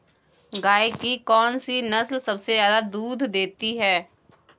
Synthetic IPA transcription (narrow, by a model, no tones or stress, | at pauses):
ɡaːekikɔːnsinɐslsɐbsezjaːd̪ad̪uːd̪ʱd̪eːt̪iɦɛː